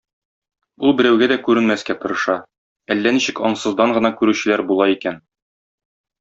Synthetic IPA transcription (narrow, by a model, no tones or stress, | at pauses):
ulˠbɘ̆ɾæwɡæd̪ækʉɾɘ̆nmæskæt̪ŏɾɤ̆ʃɑ | ælːæniɕɘkɒɴsɤ̆zd̪ɑɴɢɤ̆nɑkʉɾʉɕɘ̆læɾbulˠɑikæn